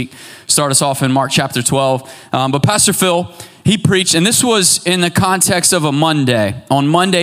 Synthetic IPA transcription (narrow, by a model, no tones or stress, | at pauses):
k̚stɑɹɾʌsɔfɨ̃nmɑɹk̚t͡ʃʰæp̚tə˞tʰw̥ɛlˠv̥ | bʌt̚pʰæstə˞fɪlˠ | ipʰɹ̥it͡ʃtɨ̃nðɪswʌzɪ̃nðɨkʰɑ̃ntʰɛkstʌvəmʌ̃ndeɪə̃nmʌ̃ndeɪ